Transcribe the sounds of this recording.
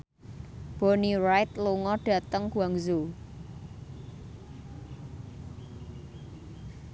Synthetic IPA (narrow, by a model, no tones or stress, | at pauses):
b̥o̤nirajt̪luŋɔɖ̥a̤t̪əŋkuaŋzo